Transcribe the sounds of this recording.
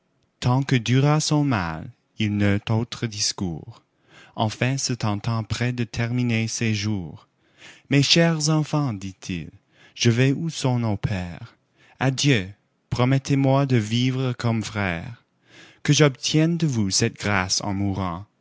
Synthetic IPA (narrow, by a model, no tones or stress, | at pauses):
t̪ʰɑ̃kəd̪yʁasɔ̃ma̰l | ilnøt̪ot̪χəd̪iskṵːʁ | ɑ̃fɛ̃sət̪ɑ̃t̪ɑ̃pχɛd̪ət̪ʰɛʁminesɛʒuːʁ | mɛʃɛʁzɑ̃fɑ̃d̪it̪ʰḭl | ʒ̥əvɛusɔ̃nɔ̃pʰɛːʁ | ad̪jø | pχɔmɛt̪ʰemwad̪əvivʁəkɔmfχɛ̰ːʁ | kəʒɔb̚t̪ʰjɛnd̪əvusɛt̪̚ɡ̥ʁasɑ̰̃muʁɑ̃